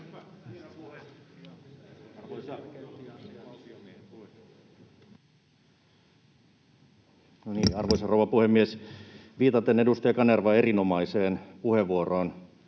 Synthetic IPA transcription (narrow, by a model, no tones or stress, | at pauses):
noniːɑrʋoisɑrouʋɑpuhemːiesʋiːt̪ɑt̪enedust̪ɑjɑkɑnerʋɑeɾinomɑiseːnpuheʋːuoroːn